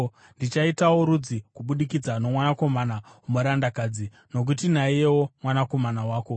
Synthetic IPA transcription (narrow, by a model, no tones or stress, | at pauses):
ndit͡ʃaitawo̞ɾud͡zikuɓuɗikid͡zano̞mwanako̞manaumoɾandakaːd͡zi | no̞k̬utin̤aije̞wo̞mwanako̞manawaːko̞